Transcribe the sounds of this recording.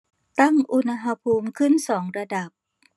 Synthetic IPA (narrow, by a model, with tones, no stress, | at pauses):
t̪a˥˩ŋʔu˧na˧ɦa˧pʰuː˧mkʰɯ˥˩nsɔː˩˦ŋɾa˧da˨˩p̚